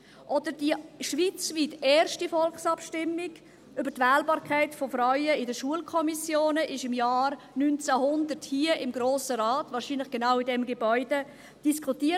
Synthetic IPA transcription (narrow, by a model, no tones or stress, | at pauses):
ʔɔd̥ədiʃʋit͡svitɛːɾʃtifɔlχsɑpʃtɪmːɪɡ | ʏbəɾtʋæːlbɑːɾkʰaɪtfofɾœʏəɪdəʃuəlkʰɔmisjoːnəʔɪʃɪmjaːr | nynt͡sæhʊndəthiːəʔɪmɡɾoːsəɾaːtvɑːɾʃinlɪχɡ̥enawidɛmɡebœʏd̥ə | d̥iskʰuti